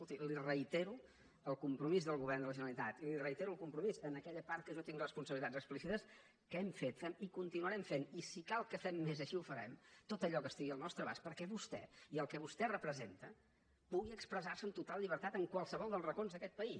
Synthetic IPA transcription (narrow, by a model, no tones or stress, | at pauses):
skulˠt̪ilirəit̪eɾu | əlˠkumpɾumizðəlˠɣuβɛrnd̪ələʒənəlit̪at̪ilirəit̪eɾuəlˠkumpɾumizənəkɛʎəpaɾt̪kəʒot̪iŋrəspunsəβlit̪adzəksplisit̪əs | kəɛmfet̪fɛmikunt̪inuəɾɛmfenisikalˠkəfɛmːezəʃiufəɾɛ̰mt̪ot̪əʎɔkəst̪iɣiəlˠnɔst̪ɾəβaspəɾkɛβust̪ɛ̰iəlˠkəβust̪ɛrəpɾəzent̪ə | puɣiəkspɾəzaɾsənt̪ut̪alˠʎiβ̞əɾt̪at̪əŋkwalˠsəβɔlˠd̪əlˠrəkonzðəkɛt̪̚pəi